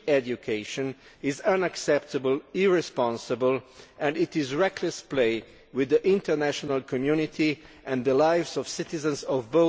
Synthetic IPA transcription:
ɛd͡ʒjukʰeɪʃɔ̃n | ɪzãnaksɛpt̪əbəlɪɹɛspɑ̃nsəbəlɛ̃ndɪt̪ɪzɹɛkʰləspleɪ | wɪðəʔɪ̃nt̪əɹnæʃɔnalkʰɔmjunit̪ʰi | ʔɛ̃nd̪əlaɪvzɔv̥sɪt̪ɪzə̃nsɔvbo

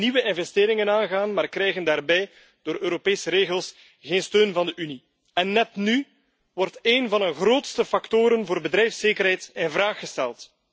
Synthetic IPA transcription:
niwəʔɪnvɛsteːɾɪŋənaːnɣaːnmaːrkrɛjɣəndaːrbɛj | d̥oːɾøːɾopeːsəɾeːɣəlˠs | ɣeːnstøːnvɑndəʔyni | ɛnːɛtny | ʋɔrteːnvɑndəɣroːtstəfɑktoːɾənvoːrbədɾɛjfseːkərɦɛjtɪnvraːxːəstɛ̰lˠt

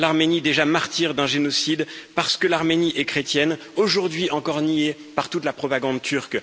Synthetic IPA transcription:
laʁmenid̪eʒamaʁt̪iʁd̪ɛ̃ʒenɔsid̪paʁsə̥kəlaʁmeniʔɛkχet̪jɛn | oʒuʁd̪ɥiʔɑ̃kɔʁniepaʁt̪ut̪lapχɔpaɡɑ̃d̪t̪ʰyʁk

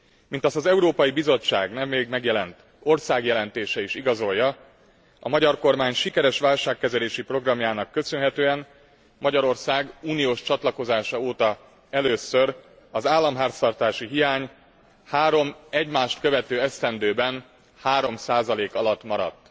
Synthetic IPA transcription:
mint̪ɒst̪ɒzɛuɾoːpɒjibizo̞t͡ʃːa̰ːɡnɛmːeːɡmɛɡjɛlɛnt̪ | o̞rsaːɡjɛlɛnt̪eːʃɛiʃiɡɒzo̞jːɒ | ɒmɒɟɒrko̞rmaːɲʃikɛɾɛʃʋaːlʃaːkːɛzɛleːʃipro̞ɡrɒmjaːnɒkːø̞sønɦɛt̪øːɛn | mɒɟɒɾo̞rsaːɡuːnijoːʃt͡ʃɒt̪lɒko̞zaːʃɒoːt̪ɒ | ɛløːsør | ɒzaːlːɒmɦaːrt̪st̪ɒrt̪aːʃiɦijaːɲ | haːɾo̞mɛɟmaːʃt̪kø̞vɛt̪øːɛst̪ɛnd̪øːbɛn | haːɾo̞msaːzɒleːkɒlɒt̪ːmɒɾɒ̰t̪ː

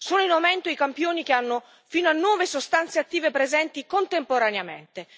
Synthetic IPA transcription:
soːnoinawmɛnt̪oikampjoːnik̟eanːo | fiːnoanːwɔːvesost̪ant̪seat̪ːiːvepɾezɛnt̪ikont̪empoɾaneamḛnt̪e

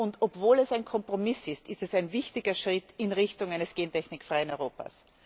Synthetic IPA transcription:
ʊntopvoːlɛsaɪnkʰɔmpʁomɪsɪstɪstɛsaɪnvɪçtɪɡɐʃʁ̥ɪtɪnʁɪçtʊŋaɪnəsɡ̥eːntʰɛçnɪkfʁ̥aɪənɔʏʁoːpa̰s

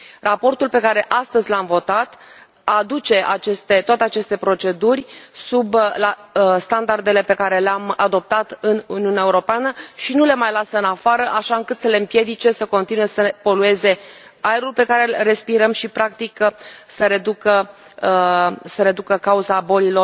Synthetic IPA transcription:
rapo̞rt̪ulpe̞kaɾe̞ʔast̪əzʲlamvo̞t̪at̪ | ad̪ut͡ʃe̞ʔat͡ʃe̞st̪e̞t̪owat̪e̞at͡ʃe̞st̪e̞pɾo̞t͡ʃe̞d̪urʲsublast̪and̪ard̪e̞le̞pe̞kaɾe̞leamad̪o̞p̚t̪at̪ɨnuniunae̞uɾo̞peanəʃinule̞majlasəɨnafaɾəʔaʃaɨŋkɨt̪səle̞ɨmpje̞d̪it͡ʃe̞səko̞nt̪inue̞səpo̞lue̞ze̞ | ajeɾulpe̞kaɾe̞lre̞spiɾəmʃipɾak̚t̪iksəɾe̞d̪ukə | səɾe̞d̪ukəkauzabo̞lilo̞r

